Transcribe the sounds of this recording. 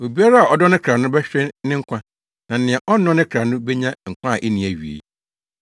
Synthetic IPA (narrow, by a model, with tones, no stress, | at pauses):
o˨bi˦a˦ɾa˦a˨ɔ˨dɔ˦nɪ̃˦kʰɾa˨nʊ̃˦bɛ˦ɕᶣɾɪ̃˦nɪ̃˦ŋ̩˦kʷã˦ | nã˨n̩˨nɪ̃˨ɛ˨ʔɔː˦ɔ̃˦nɪ̃˦kʰɾa˨nʊ̃˦be˦ɲã˦ŋ̩˨kʷʰã˦a˨ʔe˦nĩ˨æ˨ɥḭ˨ḛ˨